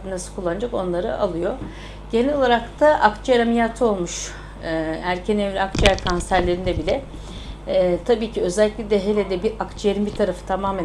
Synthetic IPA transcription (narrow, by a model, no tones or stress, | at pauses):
nasɯlkʰulˠːanɯd͡ʒako̞nlˠaɾɯ̰ʔa̰lˠɯjo̞ | ɟ̥enɛlo̞lˠaɾakt̪ʰaʔakt͡ʃʰjaɾamijaːt̪ʰɯo̞lˠmuʃ | æɾcʰɛnevlʲɛakt͡ʃiæɾkʰansæɾlʲe̞ɾind̪ɛbilʲɛ | t̪ʰabiːcʰiø̞zɛlʲːiclʲid̪ʲɛɦelʲed̪ɛbiakt͡ʃʰijeɾimbiɾt̪ʰaɾafɯ̥t̪ʰamaːmæ